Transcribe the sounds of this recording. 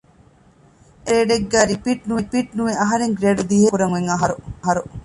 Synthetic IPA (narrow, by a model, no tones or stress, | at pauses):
ʔeɾeːɖeɡːæːɾipiːʈ̚nuʋipiːʈ̚nuʋeʔɐɦɐɾeŋɡɾeːɖud̪iɦekuɾɐŋeŋɐɦɐɾuɦɐɾu